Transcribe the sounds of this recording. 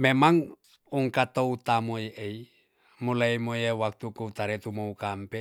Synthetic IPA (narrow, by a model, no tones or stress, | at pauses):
memaŋ | uŋkat̪out̪amojeʔei | mulaimojewak̚t̪ukuut̪aɾet̪umoukampe